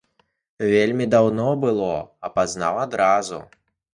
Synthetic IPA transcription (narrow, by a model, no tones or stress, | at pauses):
vʲelʲmʲid̪awnɔbɨlˠɔɐpazna̰wad̪ɾazṵ